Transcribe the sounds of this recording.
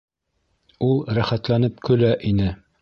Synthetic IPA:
ulˠɾæχæt̪lænɘp̚kɵ̆læʔinɘ

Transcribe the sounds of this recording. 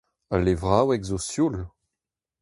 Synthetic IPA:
alevʁawɛɡzosjul

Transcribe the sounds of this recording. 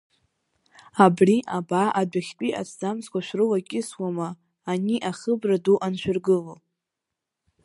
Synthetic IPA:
abriʔabaʔadʷaχʲtʼiʔa̰t͡sʰd͡zamskʷaʃʷᶣrɨlakʲʼɪswamaː | niʔaχəbraduʔanʃʷᶣɪrɡɨlol

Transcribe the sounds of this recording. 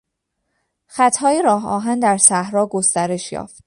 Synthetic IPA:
xæt̪ʰhɒːjeɾɒːɦɒ̰ːɦænd̪æɾsæhɾɒːɡo̞st̪æɾe̞ʃjɒ̰ːft̪̚

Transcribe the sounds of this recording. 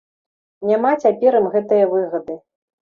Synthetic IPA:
nʲamat͡sʲapʲɛɾɐmɣɛt̪ɨjɐvɨɣɐd̪ɨ

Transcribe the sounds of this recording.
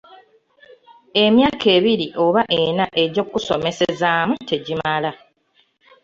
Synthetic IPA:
e̞mjaːkʰe̞ːβiɾiʔo̞βaʔenaʔe̞ɟo̞kːuso̞me̞se̞zaːmutʰe̞ɟimala

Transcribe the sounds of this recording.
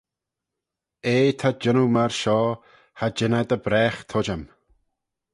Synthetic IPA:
eːt̪ʰad͡ʒənumaɹʃɔː | had͡ʒɪnad̪əbɾɛːxt̪ʰɔd͡ʒam

